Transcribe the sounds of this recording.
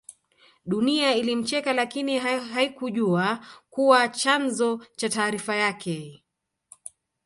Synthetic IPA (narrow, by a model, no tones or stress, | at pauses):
ɗuniailim̩t͡ʃɛkalakiniɦaɦaikuʄuakuwat͡ʃanzɔt͡ʃataːɾifajakʰɛ